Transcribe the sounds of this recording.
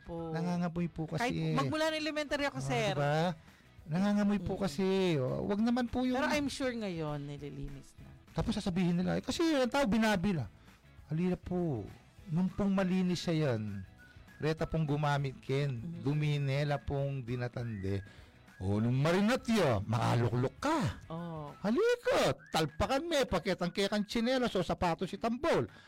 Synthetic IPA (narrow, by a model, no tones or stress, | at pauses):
ponɐŋaːŋɐmʊjpʊkɐimɐmʊlanɐŋlɛmɛnt̪aɾjɐkosɛɾba | nɐŋaːŋɐmʊjpʊkɐsɪo̰wɐ̰ɡ̚nɐmanpʊjʊɛɾoʔajmʃuɹŋɐjonːɪliliːnɪsnɐt̪aːposːaːsɐbiːhɪnːɪlaʔjkɐsɛɐŋt̪aːʔobɪnaːbɪlɐ | ʔɐliːlɐpo | nʊŋpʊŋmɐliːnɪsɐjan | ɾɛːt̪ɐpoŋɡʊmaːmɪt̪̚kʰɛnd̪ʊminɛːlɐpoŋd̪ɪnat̪ɐnd̪ɛ | ʔonʊŋmɐɾɪnɐt̪jomɐka̰ːlʊk̚lokːɐʔohɐlikat̪ɐlpɐkɐnmɛpɐkɛt̪ɐŋkɛkɐnt͡ʃɪnɛːlɐsosɐpaːt̪osɪt̪ɐmbol